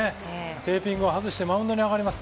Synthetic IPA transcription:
e | t̪e̞ːpʲĩŋɡɯoɦazɨɕi̥t̪e̞mãɯ̃nd̪o̞ɲ̟iaɣaɾʲimasɨ̥

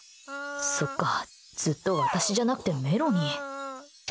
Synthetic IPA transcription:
so̞kːa | d͡z̥ɨt̪ːo̞βat̪aɕiʑanakɯ̟̥t̪e̞me̞ɾo̞ɲ̟i

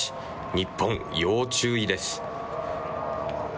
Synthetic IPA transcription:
i̥ | ɲ̟ipʰːõŋ̃joːt͡ɕɨːid̪e̞sɨ̥

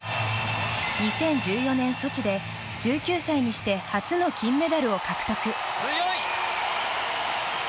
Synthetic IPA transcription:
ɲ̟isẽ̞ɲ̟d͡ʑɨːjo̞nẽ̞ɰ̃so̞t͡ɕid̪e̞ | d͡ʑɨːkʲɨːsaiɲ̟iɕi̥t̪e̞hat͡sɨno̞kʲĩmːe̞d̪aɾɯ̟o̞kakɯ̟̥t̪okɯ̟

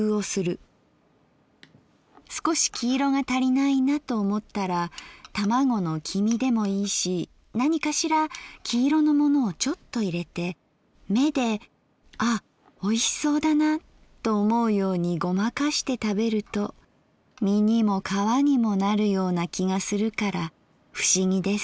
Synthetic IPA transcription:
ɯo̞sɨɾɯ̟ | sɨ̥ko̞ɕi̥kʲiːɾo̞ɡat̪aɾʲinainat̪o̞ːmo̞t̪ːaɾat̪amaɡo̞no̞kʲʰimʲid̪e̞mo̞iːɕi | naɲ̟ikaɕiɾakʲʰiːɾo̞no̞mono̞ːt͡ɕo̞t̪ːo̞iɾe̞t̪e̞ | me̞d̪e̞ | a | o̞iso̞ːd̪ana | t̪o̞ːmo̞ɯ̟jo̞ːɲ̟iɡo̞makaɕi̥t̪e̞t̪abe̞ɾɯ̟t̪o̞ | mʲiɲ̟imo̞kʰaβaɲ̟imo̞naɾɯ̟jo̞ːnakʲiɡasɨɾɯ̟kaɾa | ɸɯ̟̥ɕiɡʲid̪e̞sɨ̥

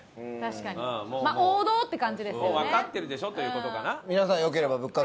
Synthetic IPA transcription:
t̪aɕi̥kaɲ̟ɯ̃ːmomaoːd̪o̞ːt̪ːe̞kãɲ̟d͡ʑid̪e̞soːβakat̪ːe̞ɾɯ̟d̪e̞ɕo̞t̪ojiɯ̟ːko̞t̪o̞kanamʲinasãɰ̃jo̞k̬e̞ɾe̞babɯ̟kːa

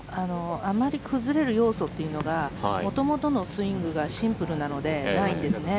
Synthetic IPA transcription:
ano̞amaɾʲikʰɯ̟zɨɾe̞ɾɯ̟jo̞ːso̞t̪ːe̞jiɯ̟no̞ɡa̰mo̞t̪o̞mo̞t̪o̞no̞sɨĩŋɡɯ̟ɡaɕĩmpɯ̟ɾɯ̟nano̞d̪e̞naĩnd̪e̞sɨne̞

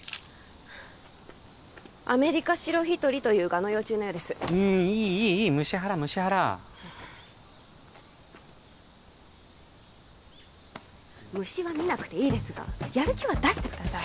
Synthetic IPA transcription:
a̰me̞ɾʲikaɕiɾo̞çit̪o̞ɾʲit̪o̞jɯ̟ːɡano̞jo̞ːt͡ɕɨːnojo̞ːd̪e̞sɨ̥ɯ̟̃iːiːiːmɯ̟ɕiɦaɾamɯ̟ɕihaɾa̰ | mɯ̟ɕiβamʲinakɯ̟̥t̪e̞iːd̪e̞sɨɡa̰jaɾɯ̟kʲiβad̪aɕi̥t̪e̞kɯ̟d̪asai

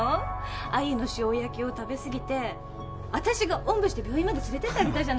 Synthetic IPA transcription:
aino̞ɕiojakʲio̞t̪abe̞sɨɡʲit̪e̞ | βat̪aɕiɡaʔõ̞mbɯ̟ɕi̥t̪ebʲo̞ːĩmad̪e̞t͡sɨɾe̞t̪e̞t̪amʲit̪aid͡ʑan

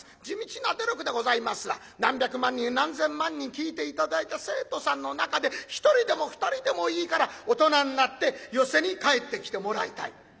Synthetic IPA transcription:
d͡ʑimʲit͡ɕinad̪e̞ɾokɯ̟d̪e̞ɡo̞zaimasɨɡa̰ | nãmbʲjakɯ̟mãɲ̟ːĩnnãnzẽ̞mmãɲ̟ːĩŋkʲiːt̪e̞it̪ad̪ait̪ase̞ːt̪o̞sãnːo̞nakad̪e̞çi̥t̪o̞ɾʲid̪e̞mo̞ɸɯ̟̥t̪aɾʲid̪e̞mo̞iːkaɾao̞t̪o̞naɲ̟inat̪ːe̞jo̞se̞ɲ̟ikae̞t̪ːe̞kʲi̥t̪e̞mo̞ɾait̪a̰i

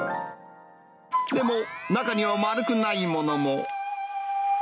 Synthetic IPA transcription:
nɪmonakanĩɔmaɾɯkunajimɔnɔmɔ

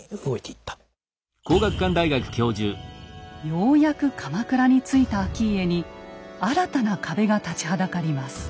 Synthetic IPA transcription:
ɯɡoet̪ei̥t̪ːḁ | ko̞ːɡakɯ̥kːãnd̪aiɡakɯ̟̥kʲo̞ːʑɨːjo̞ːjakɯ̟kʰamakɯ̟ɾaɲ̟it͡sɨit̪aːkʲiːe̞ɲ̟iaɾat̪anakʰabe̞ɡat̪at͡ɕi̥ɦad̪akaɾʲimasɨ̥

